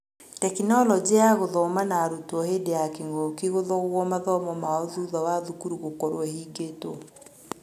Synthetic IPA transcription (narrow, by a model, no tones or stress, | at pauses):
tɛkinɔlɔd͡ʑeaɣoðɔmanaɾutwɔhedeakeŋɡɔkiɣoðɔɣwɔmaðɔmɔmaɔðuðɔwaðukuɾuɣokɔɾwɛhiːɡeto